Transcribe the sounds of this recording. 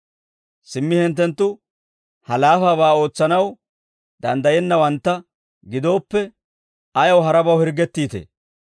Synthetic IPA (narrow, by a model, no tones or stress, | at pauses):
sɪmːɪhɛnt̪ːɛnt̪ːʊ | hɐlaːfaːβaːo̞ːt͡sːɐnɐw | d̪ɐ̰nd̪ɐjɛnːɐwɐnt̪ːɐ | ɡɪd̪o̞ːpːɛ | ɐjɐwɦɐɾɐbɐwhɪɾɡɛt̪ːiːt̪ḛː